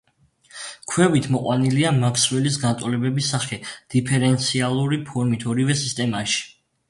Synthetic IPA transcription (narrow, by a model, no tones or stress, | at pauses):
kʰwɛbit̪ʰmɔqʼwaniliamakʰswɛlis̬ɡant̪ʼɔlɛbɛbisaχɛd̪̥ipʰɛɾɛnt̪sʰialˠuɾipʰɔɾmit̪ʰɔɾivɛsist̪ʼɛmaʃi̥